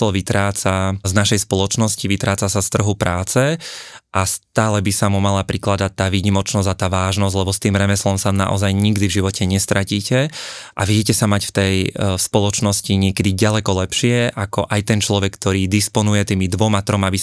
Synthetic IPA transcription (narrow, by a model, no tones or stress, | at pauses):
lɔʋit̪ɾaːt͡saznaʃɛjspɔlɔt͡ʃnɔsciʋit̪ɾaːt͡sasast̪r̩ɦupɾʔaːt͡sɛʔast̪aːlɛbisamumalapɾiklad̪at̪ːaːʋiɲimɔt͡ʃnɔzat̪aːʋaːʒnɔzʲlɛbɔst̪iːmɾɛmɛslɔmsana̰ʔɔ̰zajɲiɡd̪ivʒiʋɔcʰɛɲɛst̪ɾaciːcɛʔaʋɪɛcɛsamacft̪ɛjspɔlɔt͡ʃnɔsciɲɪɛkɛd̪iɟalɛkɔlɛpʃɪɛʔakɔʔajt̪ɛnt͡ʃlɔʋɛkːt̪ɔɾiːd̪ispɔnujɛt̪iːmid̪ʋɔmat̪ɾɔmabi